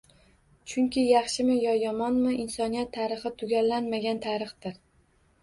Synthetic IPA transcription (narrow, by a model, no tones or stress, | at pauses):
t͡ʃʰʊŋkʲɪjɑχʃɪmɪjɒjɒmɒnmɪʔɪnsɒnijat̪ʰːaɾɨχɨt̪ʰːʊɡʲalːanmaɡʲant̪ʰaɾɨχd̪ɪɾ